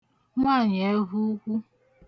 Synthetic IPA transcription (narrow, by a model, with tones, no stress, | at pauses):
ŋʷa˦˨ɲ˨e˨˦ɦu˦kʷu˦